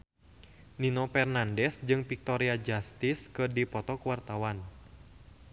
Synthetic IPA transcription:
ninɔpɛrnandɛsd͡ʒɨŋpik̚t̪ɔɾiad͡ʒast̪iskɨrdipɔt̪ɔkuwart̪awan

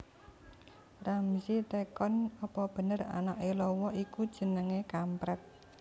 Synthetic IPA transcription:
ramisit̪ekɔnɔpɔb̥ə̤nəra̰naʔelɔwɔikud̥ʒ̥ə̤nəŋekampɾɛt̪̚

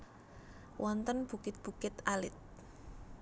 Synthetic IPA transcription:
wʔɔnt̪ənb̥ukɪt̪̚b̥ukɪt̪alɪt̪̚

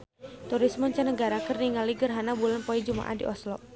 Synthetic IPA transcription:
t̪uɾismɔɲt͡ʃanəɡaɾakərniŋaliɡərɦanabulanpɔid͡ʒuma̰ʔa̰dḭʔɔslɔʔ

